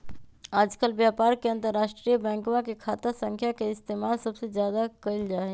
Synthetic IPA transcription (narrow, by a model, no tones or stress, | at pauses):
aːd͡ʒkəlʋjaːpaːɾkeɐ̃nt̪əɾːaːʃʈɾijəbɛ̃ːŋkmãkekʰaːt̪asə̃ŋkʰjakeɪst̪eːmaːlsɐbsezjaːd̪akɐɪld͡ʒaːɦe